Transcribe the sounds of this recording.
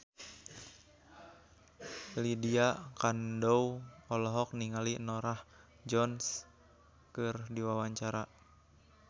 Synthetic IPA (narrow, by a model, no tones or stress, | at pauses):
lidiakandɔwɔlɔɦɔk̚niŋalinɔɾah | d͡ʒɔns | kɨrdiwawaɲt͡ʃaɾa